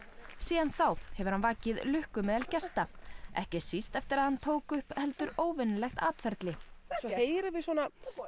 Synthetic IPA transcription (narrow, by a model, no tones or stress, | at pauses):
siːðanθawhɛvʏɾ̥hanvaːcɪðlʏhkʏmɛːðalcɛst̪aɛ̰hcɪsist̪ɛft̪ɪɾaðhant̪ʰoːwkʏhphɛlt̪ʏɾoːwvɪnʏlɛxt̪aːt̪fɛɾt̪lɪsɔheːjɾɪvɪswɔːna